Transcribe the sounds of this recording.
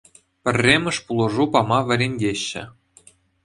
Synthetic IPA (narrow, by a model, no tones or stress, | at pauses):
pʲɘ̆rʲːemʲɘ̆ʂpulˠɤ̆ʐupɑmɑʋʲɘ̆ɾʲenʲdʲeɕːɘ̆